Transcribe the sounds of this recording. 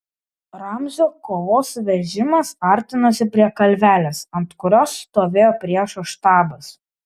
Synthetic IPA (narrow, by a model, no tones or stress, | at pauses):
ɾɑˑmʲzʲoːkoːʋoːsʋʲɛʒʲɪmɐsɐˑɾʲt̪ʲɪnɐsʲɪpʲɾʲiɛkɐlʲʋʲæːlʲesɐnt̪kʊɾʲoːsːt̪oːʋʲeːjoːpʲɾʲiɛʃɐʃt̪ɑːbɐs